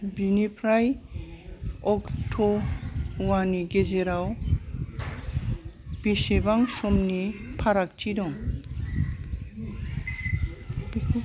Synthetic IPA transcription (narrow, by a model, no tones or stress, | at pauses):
binipʰɾaj | ɔktʰɔ | waniɡezeɾaw | bisebaŋsɔmnipʰaɾak̚tʰidɔŋ